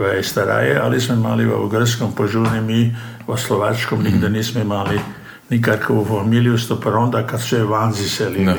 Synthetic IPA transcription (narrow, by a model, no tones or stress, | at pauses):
ʋaɛst̪aɾa̰ːjɛʔa̰lismɔima̰liʋə̰ṵɡəɾskɔmpoʒunimiʋəsloʋaːt͡ʃkɔmniɡd̪ɛniːsmɔimaːli | nikaɾkoʋufamiljust̪opɾond̪akat̪sɛʋanzisɛli